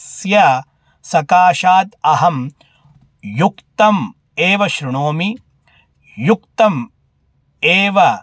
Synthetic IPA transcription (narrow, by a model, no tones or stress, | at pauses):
sjɐ | sɐkaːʃaːt̪ɐɦɐm | jukt̪ɐm | eːʋɐʃɾuɳoːmi | jukt̪ɐm | eːʋɐ